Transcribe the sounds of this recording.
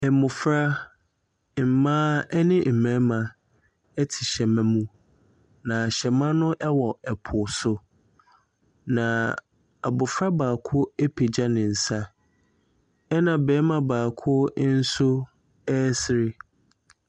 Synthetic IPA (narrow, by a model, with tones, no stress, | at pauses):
ɛ˨mʊ̃˨fɾa˦˨ | m̩˨mãː˦ɛ˦nɪ̃˦m̩˨mæ̃˦mã˨ | ɛ˦tʰɪ˨ɕɛ˨mæ̃˦mũ˦ | nã˨ɕɛ˨mã˦nʊ̃˦ʔɛ˦wɔ˨ɛ˨pʰʊ˨sʊ˦ | nã˨ | a˨bʊ˨fɾa˦baː˨kʰʊ˦e˦pʰe˨d͡ʑa˦nɪ̃˨n̩˨sa˦ | ɛ˦nã˨bɛː˨˦mã˨baː˨kʰʊ˦n̩˦sʊ˦ | ɛː˦sɪ˦ɾɪ˦